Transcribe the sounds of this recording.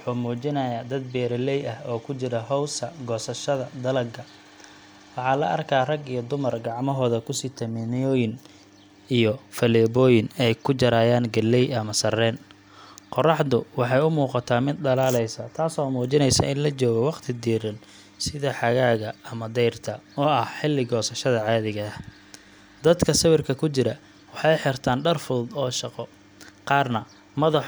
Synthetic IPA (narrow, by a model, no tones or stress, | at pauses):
wħuːmuːt͡ʃɪnɐjaːd̪ɐd̪̚bɛːɾɐlɛjɐhɔːkʰʊt͡ʃɪɾɐɦɔwsɐɡɔːsɐʃɐðɐd̪ɐlɐɡʰɐ | wɑħɑːlɐʔɐrkʰaːrɐɡijɔd̪ʊmɐrɡɑʕmɔɦɔːðɐkʰʊsit̪ʰɐmɪnjɔːjɪn | ijɔfɐlɛːβɔːjɪnɛjkʰʊt͡ʃɐɾaːjaːnɡɐlɛjɐmɐsɐrɛːn | qɔrɑħd̪ʊwɑħɑjʊmuːqɑt̪ʰaːmɪd̪̚d̪ɐlaːlɛjsɐt̪ʰaːsɔːmuːt͡ʃɪnɛjsɐ̰ʔɪnlɐt͡ʃɔːɣɐwɑqt̪ʰɪd̪iːɾɪn | sɪðɐħɑɣaːɣɐɐmɐd̪ɛjrt̪ʰɐɔːɐhħɪlːɪɡɔːsɐʃɐðɐʕɑːðɪɣɐɐh | d̪ɐd̪kʰɐsɐβɪrkʰɐkʰʊt͡ʃɪɾɐ | wɑħɑjħɪrt̪ʰaːnɖɐrfuːd̪ɔːʃɑqɔ | qɑːrnɐ | mɐðɑħ